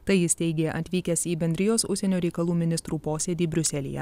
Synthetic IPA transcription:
t̪ɐɪjɪst̪ʲɛɪɡʲeːʔɐ̰t̪ʲʋʲiːkʲɛsiːbʲɛnʲd̪ɾʲɪjoːsʊ̰ʃʲsʲɛnʲoːɾʲɛɪkɐlˠuːmʲɪnʲɪst̪ɾuːpoːsʲeːd̪ʲiːbʲɾʲʊsʲɛlʲɪ̰jɛ̰

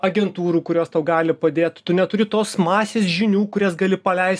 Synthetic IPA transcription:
ɐɡʲɛnt̪uːɾuːkʊɾʲoːst̪ɐʊɡɑːlʲɪpɐd̪ʲeːt̪t̪ʊnʲɛt̪ʊɾʲɪt̪oːsmɑːsʲeːsʒʲɪnʲuːkʊɾʲɛsɡɐlʲɪpɐlʲɛɪst̪

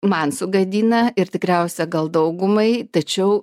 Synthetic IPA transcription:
mɐnsʊɡɐd̪ʲiːnɐɪɾt̪ʲɪkɾʲɛʊsʲɛɡɐlˠd̪ɐʊɡʊmɐɪt̪ɐt͡ʃʲɛʊ

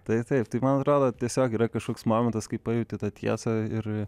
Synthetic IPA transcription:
t̪ɐɪt̪ɐɪpt̪ɐɪmɐnɐt̪ɾoːd̪oːt̪ʲiɛsʲoːkiːɾɐkɐʃkoːksmoːmʲɛnt̪ɐskɐɪpɐjɛʊt̪ʲɪt̪ɑt̪ʲʰiɛsɐɪr

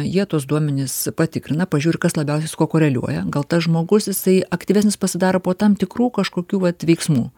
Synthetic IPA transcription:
jiɛt̪uɔsd̪uɔmʲɛnʲɪspɐt̪ʲɪkɾʲɪnɐpɐʒʲuːɾʲɪkɐslˠɐbʲɛʊsʲɛjskoːkoːɾʲɛlʲṵɔjɛɡɐlˠt̪ɐsʒmoːɡʊsjɪsɐɪɐkt̪ʲiːʋʲæːsʲnʲɪspɐsʲɪd̪ɑːɾopoːt̪ɐmt̪ʲɪkruːkɐʃkoːkʲuːʋɐt̪ʋʲɛɪksmuː

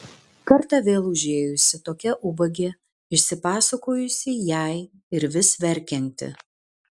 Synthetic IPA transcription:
kɐɾt̪ɑʋʲeːlˠʊʒʲeːjʊsʲɪt̪oːkʲɛʔʊbɐɡʲeː | ɪʃʲsʲɪpɑːsɐkoːjʊsʲɪjɛɪ | ɪɾʋʲɪsʋʲɛɾʲkʲɛnʲt̪ʲɪ̰

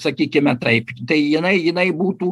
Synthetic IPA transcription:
sɐkʲiːkʲɪmʲɛt̪ɐɪpt̪ɐɪjɪnɐɪjɪnɐɪbuːt̪uː

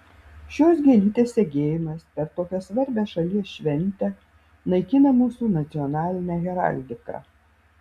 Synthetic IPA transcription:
ʃʲoːsɡʲiɛlʲiːt̪ʲeːsːʲeɡʲeːjɪmɐspʲɛɾt̪oːkʲɛsʋɐɾʲbʲæːsʃɐlʲiɛsʃʲʋʲɛnʲˑt̪ʲɛ | nɐɪkʲɪnɐmuːsuːnɐt̪sʲɪɔnɑːlʲɪnʲæɣʲɛɾɑ̰lʲd̪ʲɪkɑ̰

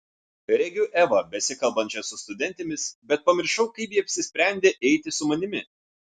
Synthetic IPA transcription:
ɾʲɛɡʲʊʔɛʋɐbʲɛsʲɪkɐlˠbɐnʲt͡ʃʲɛsʊst̪ʊd̪ʲɛnʲt̪ʲɪmʲɪsbʲɛt̪̚pɐmʲɪɾʃɐʊkɐɪpjiːɐpʲsʲɪsʲpʲɾʲɛˑnʲd̪ʲeːʔɛɪt̪ʲɪsʊmɐnʲɪmʲɪ

